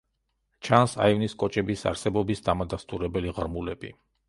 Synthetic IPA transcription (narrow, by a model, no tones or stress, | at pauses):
t͡ʃʰansa̰ivniskʼɔt͡ʃʼɛbisa̰ɾsɛbɔbisd̪amad̪ast̪ʼuɾɛbɛliʁɾmulɛb̥i